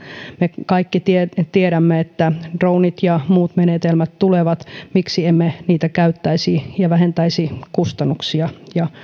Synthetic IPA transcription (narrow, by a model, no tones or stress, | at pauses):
mekɑikːit̪iet̪ieɾæmːeet̪ːæd̥rounit̪jɑmuːt̪menet̪elmæt̪t̪uleʋɑt̪miksiemːeniːt̪ækæyt̪ːæisijɑʋæhent̪æisikust̪ɑnːuksiɑjɑ